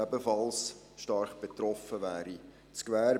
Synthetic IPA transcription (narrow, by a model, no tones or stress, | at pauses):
æbəfɑls | ʃtɑrχb̥et̪rɔfəʋæːɾi | t͡skvæː